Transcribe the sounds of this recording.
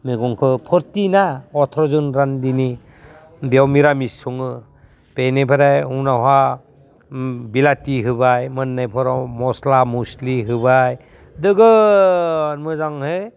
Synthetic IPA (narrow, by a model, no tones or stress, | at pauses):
meɡɔŋkʰɯpʰɔɾtinaɔtʰɾɔzunɾandini | diawmiɾamisɔŋɯ | b̥enepʰaɾajunaɦa | bilatiɦɯbajmɯnːajpʰɔɾɔmɔslamusliɦɯbaj | dɯɡɯ | nmɯzaŋhe